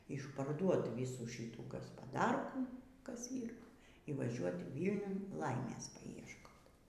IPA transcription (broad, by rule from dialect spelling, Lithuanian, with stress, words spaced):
ɪʃpɐrˈduɔt ˈʋʲiːsuː ˈʃʲiːuː ɡɐspɐˈdɐrkuː ˈkɐs ˈiːr ɪ ʋɐˈʒʲuɔt ˈʋʲiːlʲnʲʊn ˈlˠɐɪmʲeːs pɐɪɛʃˈkoːt